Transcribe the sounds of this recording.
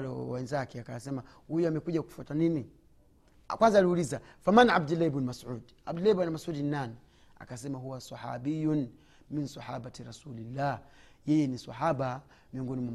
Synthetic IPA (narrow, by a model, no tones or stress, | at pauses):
lɔ̰wɛnzakɛakawasɛma | hujuamɛkuʄaku̥fatanini | kwanzaːliulizafamana̰b̚dulaibnmasud | a̰bdulabanmasudinnani | a̰kasɛmaɦuwasɑħa̰bijun | minsɑħabatɾasulilːajɛjɛnisa̰ħaɓa | miɔŋɡɔnimwam